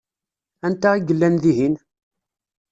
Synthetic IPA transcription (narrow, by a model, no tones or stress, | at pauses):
ænt̪æʁiɡəlːænðiɦin